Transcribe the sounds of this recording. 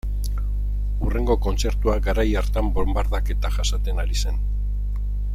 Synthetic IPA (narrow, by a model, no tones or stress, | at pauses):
ure̞ŋɡo̞ko̞nt͡se̞ɾt̪uaɡaɾajaɾt̪ambombaɾðake̞t̪aʝasat̪e̞naɾise̞n